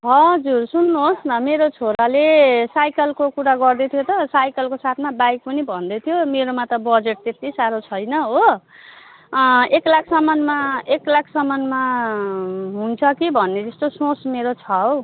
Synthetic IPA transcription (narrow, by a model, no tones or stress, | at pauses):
ɦʌd͡zursunːuɦosnʌmeɾot͡sʰoɾalesajkʌlkokuɾaɡʌrd̪et̪ʰijot̪ʌsajkʌlkosat̪ʰmabajk̚pʌnibʱʌnd̪ʌt̪ʰjomeɾomat̪ʌbʌd͡zeʈ̚t̪et̪isaɾot͡sʰʌjnʌɦo | eklakʰsʌmʌnmaeklakʰsʌmʌnma | ɦunt͡sʰʌkibʱʌnːed͡zʌst̪osõsmeɾot͡sʰʌw